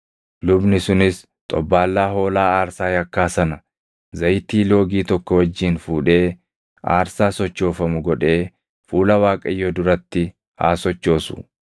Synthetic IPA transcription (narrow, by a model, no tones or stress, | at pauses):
lʊbnɪsʊnɪs | t̪ʼɔbːaːlːaːɦo̞ːlaːaːɾsaːjɐkːaːsɐnɐ | zɐjt̪iːlo̞ːɡiːt̪ɔkːɔwɐd͡ʒːiːnfuːᶑe̞ː | a̰ːɾsaːsɔt͡ʃːo̞ːfɐmʊɡɔᶑe̞ː | fuːlɐwaːkʼɐjːɔd̪ʊɾɐt̪ːɪ | ha̰ːsɔt͡ʃːo̞ːsʊ̥̰